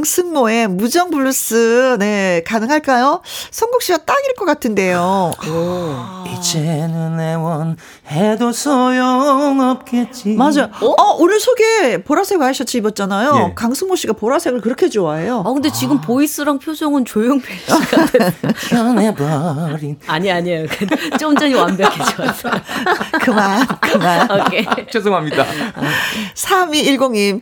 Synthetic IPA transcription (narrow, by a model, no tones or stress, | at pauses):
ŋsʰɯnmoe̞mud͡ʑʌŋbuɭːus͈ɯne̞kanɯŋɦaɭk͈ajosʰʌŋɡokɕ͈iɡat͈aŋiɭɯk͈ʌk͈atʰɯnde̞jok | it͡ɕʰenɯnewʌn | hedosʰʌjʌŋʌp̚k͈et̚t͡ɕ͈imad͡ʑajoʌʔunɯɭsʰoɡe̞poɾasʰe̞ɡɯaɕʰʌt̚t͡ɕ͈ʰibʌt̚t͡ɕ͈anajokaŋsʰɯŋmoɕ͈iɡapoɾasʰe̞ɡɯɭkɯɾʌkʰe̞d͡ʑoaejokɯndet͡ɕiɡɯmpois͈ɯɾaŋpʰjosʰoŋɯnt͡ɕojoŋpʰoɕi | ʌnebaɾinaɲiaɲejoket͡ɕ͈omt͡ɕ͈ʌɲiwambjʌkʰesʰ | kɯmankɯmankʰejosoŋɦamɲidda | sʰamiːɭɡoŋim